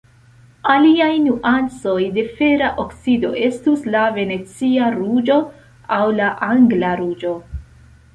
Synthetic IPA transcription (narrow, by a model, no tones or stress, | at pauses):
aliajnuʔant͡so̞jde̞fe̞ɾaʔoksido̞̰ʔe̞stuslave̞ne̞t͡siaɾud͡ʒo̞ | awlaʔaŋɡlaɾud͡ʒo̞